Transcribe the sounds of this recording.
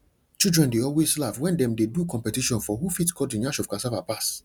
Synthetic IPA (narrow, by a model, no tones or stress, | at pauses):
t͡ʃildɹɛ̃ndeɔlweslavwɛ̃ndɛ̃mdedukɔ̃mpɛtiʃɔ̃nfɔɦufitkʰɔdĩnjaʃɔvkasavapas